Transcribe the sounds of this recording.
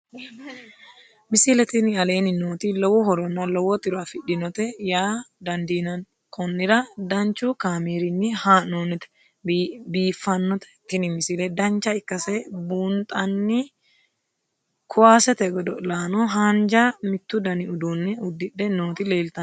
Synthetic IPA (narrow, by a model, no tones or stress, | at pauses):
mɪsilɛt̪ɪnɪɐle̞ːnɪnoːt̪ilɔwɔhɔɾɔnːɐlɔwɔt̪ɪɾʊɐfɪᶑːɪnɔt̪ɛjaːd̪ɐnd̪iːnɐn | kʰɔnːɪɾɐd̪ɐnt͡ʃukaːmeːɾɪnːɪhaːnonɪt̪ɛ̥ | biːfːɐnːɔt̪ɛ̥t̪ːɪnɪmɪsilɛd̪ɐnt͡ʃːɐɪkːɐsɛbuːnt̪ʼɐnːi | kʰʊwaːsɛt̪ɛɡɔd̪ɔlaːnɔɦaːnd͡ʒamɪt̪ːʊd̪ɐnɪʊd̪unːɛʊd̪ːɪᶑːɛnoːt̪ɪle̞ːlt̪ɐ